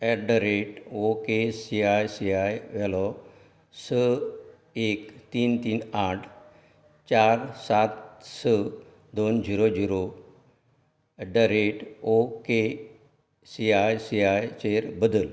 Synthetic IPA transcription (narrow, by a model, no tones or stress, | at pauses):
ɛɖəɾeʈokesiajsiajʋɛlɔ | sə | ekt̪iːnt̪iːnaʈʰ | t͡ɕaɾsat̪sə | d̪ond͡ʑiɾod͡ʑiɾo | ɖəɾeʈoke | siajsiajt͡ɕeɾbəd̪əl